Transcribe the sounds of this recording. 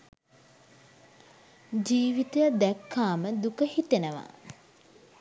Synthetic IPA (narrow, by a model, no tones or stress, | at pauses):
d͡ʒiːʋit̪əjd̪ækʰːaːməd̪ukəhit̪enəʋa̰